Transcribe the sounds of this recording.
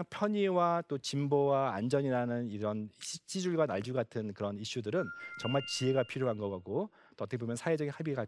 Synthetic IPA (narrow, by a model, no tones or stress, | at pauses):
ŋpʰjʌɲiwat͈ot͡ɕimbowaːnd͡ʑʌɲiɾanɯniɾʌnɕɕ͈ʰid͡ʑuɭɡwanaɭd͡ʑuɡatʰɯnkɯɾʌniɕ͈udɯɾɯnt͡ɕʌŋmaɭt͡ɕiɦe̞ɡapʰiɾjoɦanɡʌɡaɡo | toʌtʰʌkʰebomjʌnsʰaed͡ʑʌɡinhabiɡa